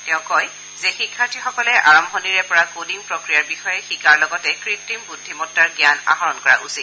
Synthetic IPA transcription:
tɛʊ̃kɔj | zexikʰːaɹtʰixɔkɔlɛʔaɹɔmbʱɔniɹɛpɔɹakodiŋpɹɔkɹijaɹbixɔjɛxikaɹlɔɡɔtɛkɹip̚timbudʱːimɔtːaɹɡjana̰ɦɔɹɔnkɔɹa̰ʔusi

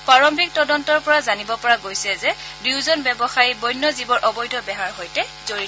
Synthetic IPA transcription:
paɹɔmbʱik̚tɔdɔntɔɹpɔɹazanibɔpɔɹaɡojsɛzɛ | diwzɔnbɛbɔxaɹibɔjnːɔzibɔɹʔɔbɔjdʱɔbɛɦaɹɦojtɛzoɹi

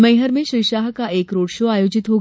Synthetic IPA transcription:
məjɦəɾmẽɕujʃaːɦkaʔeːkɾoːɽʃoaːjod͡ʑɪt̪ɦoɡ

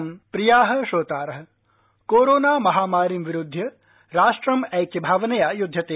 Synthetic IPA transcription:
mpɾijaːɦɐ̆ʃoːt̪aːɾɐɦɐ̆ | koːɾoːnaːmɐɦaːmaːɾimʋiɾud̪ʱːjɐ | ɾaːʃʈɾɐmɛjkɐbʱaːʋɐnɐjaːjud̪ʱːjɐt̪eː

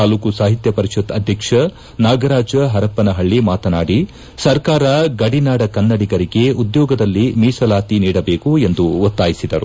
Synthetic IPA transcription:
aːluːkusaːɦit̪jɐpɐɾiʃut̪ɐd̪ʱjɐkʂɐ | naːɡɐɾaːd͡ʒɐɦɐɾɐpːɐnɐɦɐɭːimaːt̪ɐnaːɽi | sɐɾkaːɾɐɡɐɽinaːɽɐkɐnːɐɽiɡɐɾiɡe̞ud̪jɔːɡɐd̪ɐlːimiːsɐlaːt̪iniːɽɐbe̞ːkue̞nd̪uot̪ːaːjisid̪ɐɾṵ

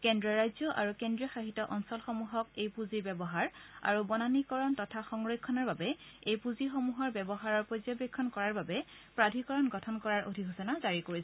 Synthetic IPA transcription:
kendɹɔɹajzɔʔa̰ɹukendɹijɔxaɦitɔʔɔnsɔlxomuɦɔkejpuziɹbɛbɔɦaɹa̰ɹubɔnanikɔɹɔntɔtʰaxɔŋɹojkʰːɔnɔɹbabɛejpuzixomuɦɔɹbɛbɔɦaɹɔɹpɔzɔbekʰːɔnkɔɹaɹbabɛ | pɹadʱikɔɹɔnɡɔtʰɔnkɔɹaɹʔodʱiɦɔsɔnazaɹikoɹisɛ

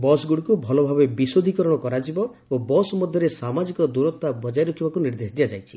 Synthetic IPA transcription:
bɔsɡuɽkubʱɔlɔbʱabebisod̪ʱikɔɾɔɽ̃ɔkɔɾad͡ʒibɔ | obɔsɔmɔd̪ʱjɔɾesamad͡ʒikɔd̪uɾɔt̪ːabɔd͡ʒajɾɔkʰibakuniɾd̪esd̪ijad͡ʒajt͡ʃʰi̥

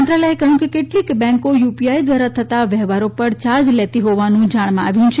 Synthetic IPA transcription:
nt̪ɾalɛekəɦũkekeʈlikbɛ̃ŋkojupiaid̪ʋaɾat̪ʰət̪aʋɛɦʋaɾopəɾt͡ʃad͡ʒlet̪iɦɔʋanũd͡ʒaɽ̃mãa̰ʋjũt͡ʃʰ

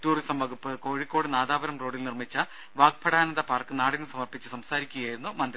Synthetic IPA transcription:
tuːrisɐmʋɐɡupːɨko̞ːɻikːo̞ːɽɨnaːd̪aːʋɐɾɐmro̞ːɽilnirmit͡ɕːɐ | ʋaːk̚pʰɐɽaːnɐnd̪ɐpaːrkɨnaːɽinɨsɐmɐrpit͡ɕːɨsɐmsaːɾikʲːuɣɐjaːjiɾunːumɐnd̪ɾ

